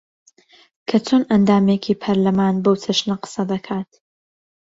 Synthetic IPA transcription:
kʰɐt͡sʰonʔɐnd̪aːmeːkʰiːpʰɐɾlɐmaːnbowt͡sʰɐʃnɐqɨ̥sɐd̪ɐkʰaːt̪

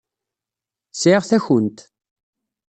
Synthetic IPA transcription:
sʕiʁθæçənt̪

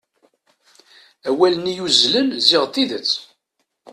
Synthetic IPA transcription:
æwælənijuzlənziʁt̪ːiðət͡sː

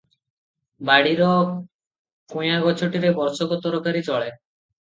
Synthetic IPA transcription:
baɽiɾɔ | kujaɡɔt͡ʃʰuʈiɾebɔɾsɔkɔt̪ɔɾɔkaɾit͡ʃɔɭe

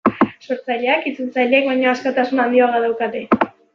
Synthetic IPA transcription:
so̞ɾt͡sajʎeakit͡sult͡sajʎeek̚βaɲo̞askot̪asunand̪ioɣaðawkat̪e̞

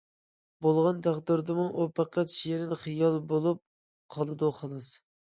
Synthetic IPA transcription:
bolˠʁɑnt̪ʰæʁd̪ɨɾd̪ɨmuʔupʰæqʰːæt̪ʃijeɾɪnχɨjɑlˠbolˠup̚ | qʰɑlˠɨd̪uqʰəlˠɨs

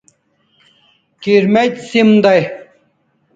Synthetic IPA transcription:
kiɾmet̪ʲsimd̪ɐj

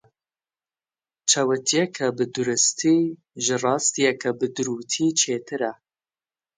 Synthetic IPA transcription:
t͡ʃʰɐwɐt̪ʰijɛkʰɐbɨd̪uɾɨst̪ʰiː | ʒɨrɑːst̪ijɛkʰɐbɨd̪uɾuːt̪ʰiːt͡ʃʰeːt̪ʰɨɾɐ

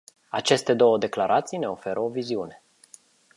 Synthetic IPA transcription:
at͡ʃe̞st̪e̞d̪o̞wəd̪e̞klaɾʔat̪sijne̞o̞fe̞ɾʔəo̞viziune̞̥

